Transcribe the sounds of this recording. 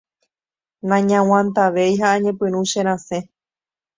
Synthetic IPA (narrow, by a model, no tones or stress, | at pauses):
nãɲãw̃ãnt̪aʋejɦaːɲẽpɨ̃ɾ̃ũʃẽɾ̃ãsẽ̞